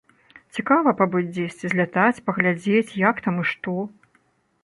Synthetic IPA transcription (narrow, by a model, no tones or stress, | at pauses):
t͡sʲikavɐpabɨd͡zʲd͡zʲesʲt͡sʲizʲlʲat̪at͡sʲpɐɣlʲad͡zʲet͡sʲjakt̪amɨʂt̪ɔ